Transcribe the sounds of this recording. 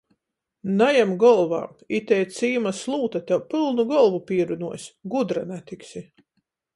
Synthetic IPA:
najamɡɔlˠva̰ːit̪ɛjt̪siːmaslˠuːt̪at̪ʲɛwpɨlˠnuɡɔlˠvupiːɛɾunuɔjsʲɡud̪ɾanæt̪iksi

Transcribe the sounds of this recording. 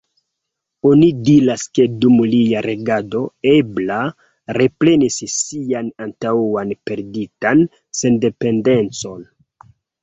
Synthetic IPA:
o̞nidilaske̞dumliaɾe̞ɡado̞e̞bla | ɾe̞pɾe̞nisːianantauanpe̞ɾditan | se̞nde̞pe̞nde̞nt͡so̞n

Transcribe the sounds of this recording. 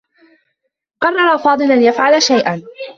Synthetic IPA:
qɑrˤːɑɾˤɑfɑːd̪ˤɨlanjafʕalaʃajʔan

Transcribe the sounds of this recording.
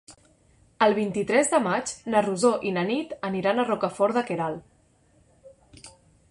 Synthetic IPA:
əlˠβ̞int̪it̪ɾɛzðəmad͡ʒnəruzoʔinənit̪əniɾanərɔkəfɔɾðəkeɾalˠ

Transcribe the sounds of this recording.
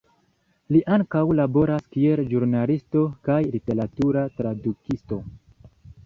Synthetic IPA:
liʔaŋkawlabo̞ɾaskie̞lʒuɾnalisto̞kajlite̞ɾatuɾatɾadukisto̞

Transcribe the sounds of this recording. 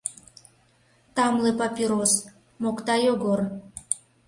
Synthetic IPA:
t̪ɑmlepɑpʲiɾos | mokt̪ɑjoɡor

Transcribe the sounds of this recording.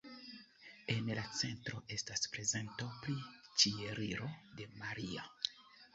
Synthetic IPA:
e̞nlat͡se̞ntɾo̞ʔe̞staspɾe̞ze̞ntopɾit͡ʃie̞ɾiɾo̞de̞maɾia̰

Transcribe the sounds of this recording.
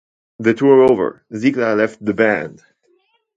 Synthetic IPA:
ðɨtʰuɹoʊvə̰˞ | ziklalɛft̪̚ðəbæ̃nd̥

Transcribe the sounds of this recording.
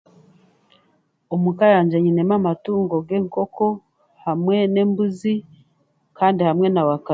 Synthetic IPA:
omukajaːɲd͡ʒeɲinemamatuːŋɡo̞ɡe̞ːŋko̞ko̞ | hamŋe̞ne̞ːmbuzi | kaːndihamŋe̞nawaka

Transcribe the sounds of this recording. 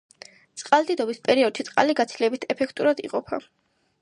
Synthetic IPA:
t̪sʼqʼald̪id̪ɔbispʼɛɾiɔd̪̥ʃʰit̪sʼqʼa̰liɡat̪sʰilɛbit̪ʰɛpʰɛkʰt̪ʼuɾad̪ḭqʼɔpʰa̰

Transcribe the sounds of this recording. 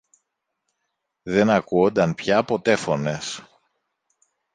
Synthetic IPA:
ðe̞nɐkuond̪ɐnpçɐpo̞t̪e̞fo̞ne̞s

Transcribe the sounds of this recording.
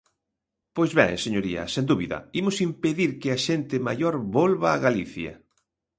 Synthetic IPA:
pojzβɛ̰̃ŋseɲoɾiɐ̰send̪uβiðɐ̰imʊsimpeðiɾkɪaʃent̪ɪmajoɾβolβaːɣaliθjɐ̰

